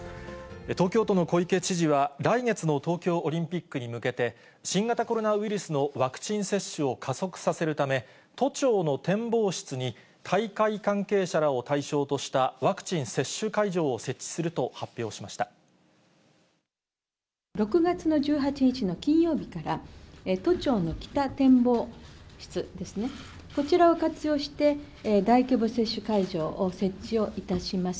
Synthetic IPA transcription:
et̪o̞ːkʲo̞ːt̪o̞no̞ko̞ike̞t͡ɕiʑiβaɾaiŋe̞t͡sɨno̞t̪o̞ːkʲo̞ːʔoɾʲĩmpʲikːɯ̟ɲ̟imɯ̟ke̞t̪e̞ | ɕĩŋɡat̪ako̞ɾo̞naβiɾɯ̟sɨno̞βakɯ̥t͡ɕĩɰ̃se̞ɕːɯo̞kʰaso̞kɯ̟̥sase̞ɾɯ̟t̪ame̞ | t̪o̞t͡ɕo̞ːno̞t̪ẽ̞mbo̞ːɕi̥t͡sɨɲ̟i | t̪ʰaikaikãŋke̞ːɕaɾao̞t̪aiɕo̞ːt̪o̞ɕi̥t̪aβakɯ̟̥t͡ɕĩɰ̃se̞ɕːɨkaiʑo̞ːse̞t͡ɕːi̥sɨɾɯ̟t̪o̞hapʲːjo̞ːɕimaɕi̥t̪a | ɾo̞kɯ̟ɡat͡sɨno̞ʑɨːɦat͡ɕiɲ̟it͡ɕino̞kʲĩɰ̃jo̞ːbʲikaɾaet̪o̞t͡ɕo̞ːno̞kʲi̥t̪at̪ẽ̞mbo̞ːɕi̥t͡sɨd̪e̞sɨne̞ | ko̞t͡ɕiɾao̞kat͡sɨjo̞ːɕi̥t̪e̞ | d̪aikʲobɯ̟se̞ɕːɨkaiʑo̞ːʔːse̞t͡ɕːio̞ːʔit̪aɕimasɨ̥

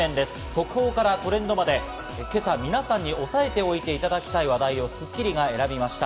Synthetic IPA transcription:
ẽ̞nd̪e̞sɨ̥so̞kɯ̟ho̞ːkaɾako̞ɾẽ̞nd̪o̞mad̪e̞ | ke̞samʲinasãɲ̟ːiʔo̞sae̞t̪e̞o̞it̪e̞it̪ad̪akʲi̥t̪aiβ̞ad̪aio̞sɨkʲːiɾʲiɡae̞ɾabʲimaɕi̥t̪a

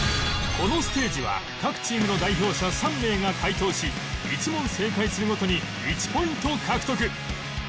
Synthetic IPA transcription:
kʰo̞no̞sɨ̥t̪e̞ːd͡ʑiβa̰ | kakɯ̟̥t͡ɕĩːmɯ̟no̞d̪aiço̞ːɕasãmːe̞ːŋakʰait̪o̞ːɕi | it͡ɕimõ̞se̞ːkaisɨɾɯɡo̞t̪o̞ɲ̟i | it͡ɕi̥po̞ĩnt̪o̞ːkʰakɯ̟̥t̪o̞k̬ɯ̟

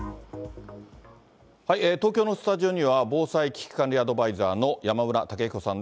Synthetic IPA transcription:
haiʔeːt̪o̞ːkʲo̞ːno̞sɨ̥t̪aʑio̞ɲ̟iβabo̞ːsaikʲi̥kɯ̥kãnɾʲiad̪o̞baizaːno̞jamaɯ̟ɾat̪ake̞ko̞sãnd̪e

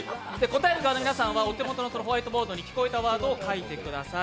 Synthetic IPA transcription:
d̪e̞ko̞t̪aeɾɯkanominasãɰ̃βaot̪e̞mo̞t̪o̞nosonoɦoait̪o̞bo̞ːd̪o̞ɲ̟ikʲi̥ko̞et̪aβaːd̪oːkait̪e̞kɯ̟d̪asa

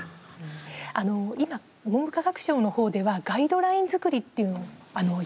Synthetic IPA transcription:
ano̞ima | mombɯ̟kaɡakɯ̟̥ɕo̞ːno̞ho̞ːd̪e̞βaɡaid̪o̞ɾaĩnd͡zɨkɯ̟ɾʲit̪ːe̞jɯ̟noano̞

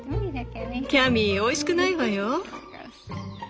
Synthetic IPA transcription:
kʲamʲioiɕi̥kɯnaiβajo

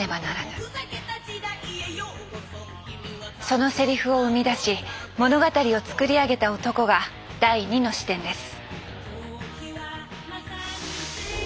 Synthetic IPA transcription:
ebanaɾana | so̞no̞se̞ɾʲiɸɯ̟o̞ɯ̟mʲid̪aɕimo̞no̞ɡat̪aɾʲio̞t͡sɨ̥kɯ̟ɾʲiaɡe̞t̪ao̞t̪o̞ko̞ɡa | d̪̥aiɲ̟ino̞ɕi̥t̪ẽ̞nd̪e̞sɨ̥

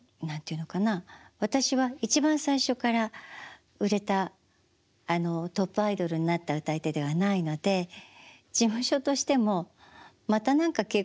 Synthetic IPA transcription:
nãnt̪eiɯ̟no̞kanaβ̞at̪aɕiβait͡ɕibãɰ̃saiɕo̞kaɾa | ɯ̟ɾe̞t̪aː | no̞t̪o̞pːɯ̟aid̪o̞ɾɯ̟ɲ̟inat̪ːaɯ̟t̪ait̪e̞d̪e̞β̞anaino̞d̪e̞ | d͡ʑimɯ̟ɕo̞t̪o̞ɕi̥t̪e̞mo̞ | mat̪anãŋkake̞

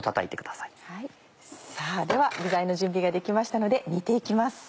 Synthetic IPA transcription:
t̪at̪a̰it̪e̞kɯ̟d̪̥ḁsḁi̥hai | saːd̪e̞βaɡɯ̟zaĩno̞ʑɨ̃mbʲiɡad̪e̞kʲimaɕi̥t̪ano̞d̪e̞ɲʲit̪e̞ikʲimasɨ̥

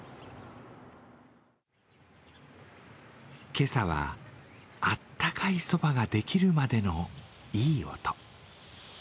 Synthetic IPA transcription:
ke̞saβa̰ | at̪ːakʰaiso̞baɡad̪e̞kʲiɾɯ̟mad̪e̞no̞ | iːo̞̰t̪o̥

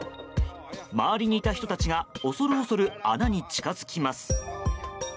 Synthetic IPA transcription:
maβaɾʲiɲ̟iːt̪açi̥t̪o̞t̪at͡ɕiɡao̞so̞ɾɯ̟oso̞ɾɯ̟anaɲ̟it͡ɕi̥kazɨ̥kʲimasɨ̥

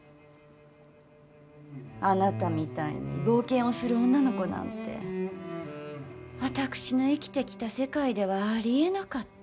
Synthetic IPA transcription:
anat̪amʲit̪aḭɲ̟ḭbo̞ːkẽ̞ɰ̃o̞sɨɾɯ̟õ̞nːano̞ko̞nã̰nt̪e̞̰ | βat̪akɯ̟̥ɕino̞ikʲi̥t̪e̞kʲi̥t̪ase̞kaid̪e̞β̞aːɾʲie̞nakat̪ː

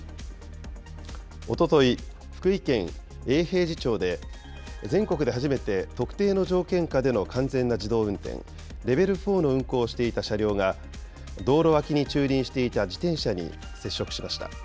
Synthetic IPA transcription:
o̞t̪o̞t̪o̞i | ɸɯ̥kɯ̟ikẽ̞ŋ | e̞ːhe̞ːʑit͡ɕo̞ːd̪e̞ | zẽ̞ŋko̞kɯ̟d̪e̞ɦaʑime̞t̪e̞t̪o̞kɯ̟̥t̪e̞ːno̞d͡ʑo̞ːkẽ̞ŋkad̪e̞no̞kʰãnd͡zẽ̞nːad͡ʑid̪o̞ːɯ̟̃nt̪ḛ̃ŋ | ɾe̞be̞ɾɯ̟ɸo̞ːno̞ɯ̟̃ŋko̞ːɕi̥t̪e̞it̪aɕaɾʲo̞ːŋa | d̪o̞ːɾo̞βakʲiɲ̟it͡ɕɨːɾʲĩɰ̃ɕi̥t̪e̞it̪ad͡ʑit̪ẽ̞ɰ̃ɕaɲ̟ḭ | se̞ɕːo̞kɯ̟̥ɕimaɕi̥t̪a̰

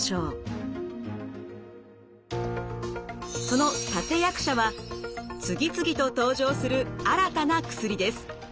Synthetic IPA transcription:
ɕoː | so̞no̞t̪at̪e̞jakɯ̟̥ɕaβa | t͡sɨɡʲit͡sɨɡʲit̪o̞t̪o̞ːʑo̞ːsɨɾɯ̟aɾat̪anakɯ̟̥sɨɾʲid̪e̞sɨ̥

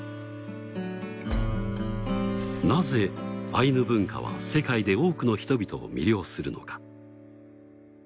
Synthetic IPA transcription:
naze̞ainɯ̟bɯ̟̃ŋka̰βa̰se̞kaid̪e̞o̞ːkɯ̟no̞çi̥t̪o̞bʲit̪o̞̰ːmʲḭɾʲo̞ːsɨɾɯ̟no̞̰kḁ

